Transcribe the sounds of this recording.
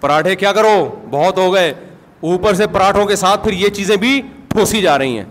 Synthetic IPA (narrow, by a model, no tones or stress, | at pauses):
pəɾaːʈʰẽkjaːkɐɾoːbɔːt̪ɦoːɡəeː | uːpəɾs̬epəɾaːʈʰõkesaːt̪̚ʰpʰɪɾjet͡ʃiːzẽbʱiʈʰoːsid͡ʒaːɾɐɦḭ̃ɦɛ̰̃ː